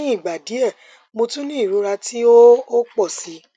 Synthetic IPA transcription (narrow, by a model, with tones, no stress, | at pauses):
ĩ˦i˦˨ɡ͡ba˨di˨˦ɛ˦˨ | mo˧tũ˦nĩ˦i˦˨ɾu˨˦ɾa˧ti˦o˦o˦k͡pɔ˦˨si˨˦